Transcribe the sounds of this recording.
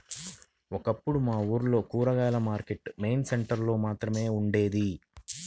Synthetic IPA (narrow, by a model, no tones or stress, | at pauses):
ɔkɐpːuɽumaːuːɾlo̞ːkuːɾɐɡaːlɐmaːɾke̞ʈme̞jnseɳʈɐɾlo̞ːmaːt̪ɾɐme̞ːuɳɖe̞ːd̪i